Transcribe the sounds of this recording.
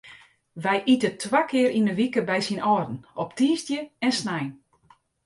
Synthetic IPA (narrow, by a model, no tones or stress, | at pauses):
ʋɛjʔitətʰwakɪəɾinəʋikəbɛjsinɔːdn̩ɔptiːstjəɛnsnɛjn